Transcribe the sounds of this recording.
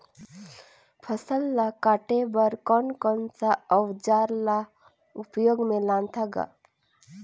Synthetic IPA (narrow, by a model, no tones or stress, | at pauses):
pʰəsəlːakaːʈebəɾkɔnkɔnsaɔwd͡ʒaːɾla | ʊpjoːɡmẽlãnt̪ʰaɡa̰